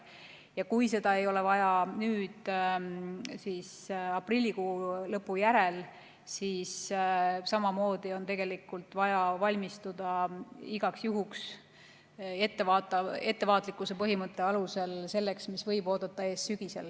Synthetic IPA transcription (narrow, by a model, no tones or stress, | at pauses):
jɑkujse̞d̪̥ɑe̞jo̞le̞vɑjɑnyːd̪̥ | sis | ɑprilʲːikuːlɤpːujæɾe̞l | siːs | sɑmɑmo̞ːd̪̥io̞nt̪e̞ɡ̥e̞likult̪ˑvɑjɑvɑlʲmist̪ud̪̥ɑiɡ̥ɑksjuɦuks | e̞t̪ːe̞vɑːt̪ːˑɑe̞t̪ːe̞vɑːt̪ˑlikːˑuse̞pɤɦimɤt̪ːˑe̞ɑluse̞lse̞lːe̞ksmisvɤ̞jbo̞ːd̪̥ɑt̪ːˑɑe̞ːssyɡ̥ise̞̰l